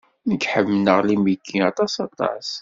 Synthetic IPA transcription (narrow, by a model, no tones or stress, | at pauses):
nəɡħəmːnəʁlimiɡːiɑt̪ˤɑsɑt̪ˤɑ̰s